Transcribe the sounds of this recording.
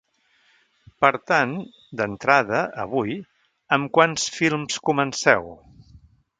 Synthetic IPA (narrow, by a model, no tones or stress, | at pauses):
pəɾt̪an | d̪ənt̪ɾaðəə̰β̞uj | əmkwansfilˠmskumənsɛw